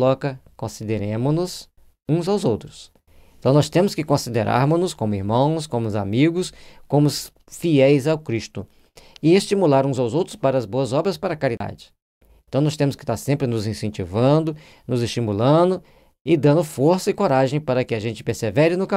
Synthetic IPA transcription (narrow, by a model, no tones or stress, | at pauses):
lɔkɐkõsid̪eɾẽmʊnʊs | ũzawzowt̪ɾʊs | ẽt̪ɐ̃w̃nɔst̪ẽmʊskɪkõsid̪eɾʔa̰ɾmʊznʊskõmʊiɾmɐ̃w̃skõmʊza̰miɡʊskõmʊs | fiɛjzawkɾist̪ʊ | ɪest͡ʃimulaɾũzawzowt̪ɾʊ̥spaɾɐzboɐzɔbɾɐspaɾɐkaɾid̪a̰d͡ʒɪ̥ | ẽt̪ɐ̃w̃nɔst̪ẽmʊskɪ̥t̪aɾsẽmpɾɪnʊzĩsẽt͡ʃivɐ̃d̪ʊ | nʊzɪst͡ʃimulɐ̃d̪ʊ | ɪd̪ɐ̃nd̪ʊfoɾsɐɪkoɾaʒẽj̃paɾɐkɪaʒẽnt͡ʃɪ̥peɾsevɛɾɪnʊka